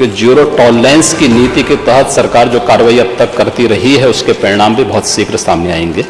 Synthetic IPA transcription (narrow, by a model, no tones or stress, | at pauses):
ked͡ʒjuːɾoʈɔːlːɛ̃ːnskiniːt̪iket̪ɛɦət̪sɐɾkaːɾd͡ʒoːkaːɾʋaːiɐb̚t̪ɐkːɐɾt̪iɾɐɦiɦɛʊskepɾɐɾɪɽ̃aːmbʱibɔɦʊt̪sɪkʰɾsaːmnea̰ːẽːŋɡeː